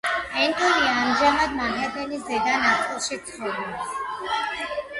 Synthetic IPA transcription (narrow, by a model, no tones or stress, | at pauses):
ɛnt̪ʼɔniaːmʒamad̪maɡat̪ɛnisd̪ɛɡ̪anat̪ʼilˠʃikt̪sʰχɔvd̪ɛ